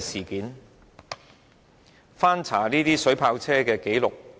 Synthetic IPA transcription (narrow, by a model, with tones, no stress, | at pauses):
siː˨˩kiː˨˥n | faː˥nt͡sʰa̰ː˨˩niː˥t̪iː˥sɵ˨˥ɥpʰaː˧wt͡sʰɛː˥kɛː˧ke˨˥jlʊ˨k̚